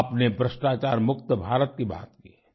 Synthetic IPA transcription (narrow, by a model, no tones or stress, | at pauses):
pnebɾəsʃʈaːt͡ʃaːɾmʊk̚t̪əbʱaːɾət̪kiba̰ːt̪kḭ